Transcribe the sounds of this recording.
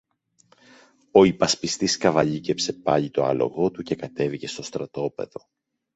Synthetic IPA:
o̞ipɐspist̪iskɐvɐʎice̞pse̞pɐʎit̪o̞ɐ̰lo̞̰ɣo̞t̪uce̞kɐt̪e̞vice̞st̪o̞st̪ɾɐt̪o̞pe̞̰ðo̞

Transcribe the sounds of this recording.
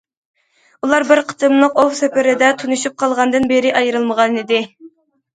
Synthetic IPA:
ulˠɑɾbɪɾqʰə̥t̪ʰɨmlˠɨqowsɛpɪɾɪd̪ɛt̪ʰunuʃup̚qʰɑlˠʁɑnd̪ɨnbɪɾɪʔɑjɾɨlˠməʁɑnid̪ɪ

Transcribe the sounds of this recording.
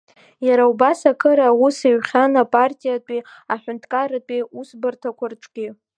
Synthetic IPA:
jaɾaubasakʰɨɾawusiɥχʲanapʼartʲʼijatʷʼiaħʷᶣʊntʼʰkʼaɾatʼiusbɨrtʰakʷʰarʈ͡ʂʼɡʲi

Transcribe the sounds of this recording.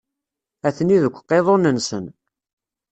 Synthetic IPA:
æθniðəkʷːqːeðˤonənsən

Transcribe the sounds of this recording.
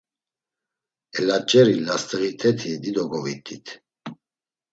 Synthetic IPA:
ɛlat͡ʃʼɛɾilast̪ʼəɣit̪ʰɛt̪ʰid̪id̪ɔɡɔvit̪ʰit̪ʰ

